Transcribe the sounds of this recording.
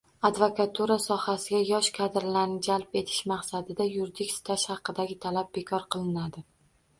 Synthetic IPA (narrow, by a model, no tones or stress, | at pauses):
ad̪vokat̪ʰuɾasɒhasɪɡʲajɒʃkʰad̪ɪɾlaɾnɪd͡ʒalˠpe̞t̪ʰɪ̥ʃmɑqsad̪ɪd̪ajʊɾd̪ɪkʲsɪ̥t̪ʰaʃhɑqɨd̪aɡʲɪt̪ʰalab̚be̞kʰɒɾqʰɨlˠɪnad̪ɪ